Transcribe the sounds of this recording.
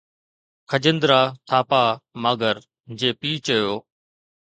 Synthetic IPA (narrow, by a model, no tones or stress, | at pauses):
kʰəd͡ʑɪnd̪ɾaːt̪ʰaːpaːmaːɡəɾ | d͡ʑeːpiːt͡ɕəjoː